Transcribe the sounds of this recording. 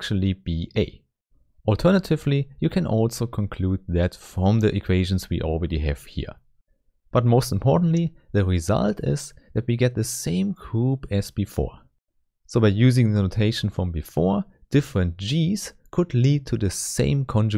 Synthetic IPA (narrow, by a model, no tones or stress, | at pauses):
t͡ʃl̩ˠibiʔeɪ | ɔlˠtʰɜ˞nətʰɪvlijɨkʰɨ̃nʔɔlˠsoʊkʰɔ̃nkʰl̥ud̪̚ðɨtfɹʌ̃mðiʔɨkʰw̥eɪʒɨ̃nzwḭʔɔl̩ˠɹɛɾiɨ̰v̥hḭɹ | b̥ʌt̚moʊstm̩pʰɔɹʔn̩tˡli | ðɨɹizʌ̰lˠtɪz̥ðɨt̚wiɡɛt̪̚ðɨsẽɪ̃mɡɹupɨz̥bɨfɔ̰ɹ | soʊbaɪjʉzɪ̃ŋðənoʊtʰeɪʃn̩fɹʌ̃mbɨfɔɹd̥ɪfɹɨ̃nt̚ʒ̥iz̥ | kʰʊdlid̚tʰɨðɨsḛ̃ɪ̃mkʰɔ̃nd͡ʒ